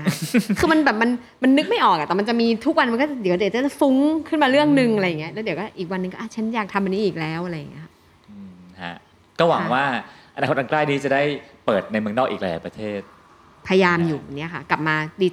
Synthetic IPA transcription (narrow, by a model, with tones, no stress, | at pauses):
kʰɯː˧ma˧nbɛː˨˩p̚ma˧n | ma˧nːɯ˦˥k̚ma˥˩jʔɔː˨˩k̚a˨˩t̪ɛː˨˩ma˧nt͡ɕa˨˩miː˧t̪ʰu˦˥k̚wa˧nm˧nkɔ˥˩t͡ɕa˨˩di˨˩˦di˩˦t͡ɕːa˨˩˥t͡ɕa˨˩fu˦˥ŋkʰɯ˥˩nmaː˧ɾɯ˥˩əŋnɯ˧ŋʔa˧ɾa˧ja˨˩ŋːi˦˥ɐ˧lɛː˦˥wdi˩˦wkɔː˥˩ʔiː˨˩k̚wa˧nːɯ˧ŋkɔː˥˩ʔa˥˩t͡ɕʰa˦˥njaː˨˩k̚t̪ʰa˧mʔa˧nːiː˦˥ʔiː˨˩k̚lɛː˦˥wʔa˧ɾa˧ja̰˨˩ŋi˦˥ɐa˩˥ʔ | ʔɯː˧hʰa̰˦˥ | kɔː˥˩wa˨˩˦ŋwaː˥˩ʔa˧naː˧xt̪̚ʰa˧klaː˥˩jniː˦˥t͡ɕa˨˩da˥˩jpɤː˨˩t̪̚na˧jmɯ˧əŋnɔː˥˩k̚ʔiː˨˩klɛ˧˩ɛ̰˨˦pɾa˧t̪ʰeː˥˩t̪̚ | pʰa˧ja˧jaː˧mjuː˨˩˧nːi˦˥ɐkʰa̰˥˩kla˨˩p̚maː˧diː˧t͡ɕ